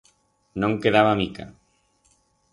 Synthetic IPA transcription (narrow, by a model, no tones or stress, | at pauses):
nõŋkeðaβamika̰